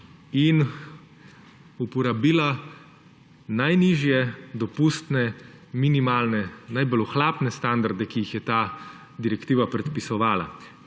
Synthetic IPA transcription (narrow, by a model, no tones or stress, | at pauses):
in | upɔɾabiːla | najniːʒjɛd̪ɔpust̪nɛminimaːlnɛnajbɔluxlaːpnɛst̪and̪aɾd̪ɛkijixjɛt̪aː | d̪iɾɛkt̪iːʋapɾɛt̪pisɔʋaːla̰